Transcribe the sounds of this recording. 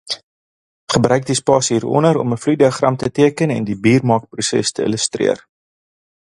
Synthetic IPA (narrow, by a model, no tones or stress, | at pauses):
χəbrœɥk̚dispɑːsɦiːɾɔ̰nəɾɔ̰məflujdiəχrɐmtətiəkənɛ̰ndibiːrmɑːk̚prusɛ̰stəḭləstrḭər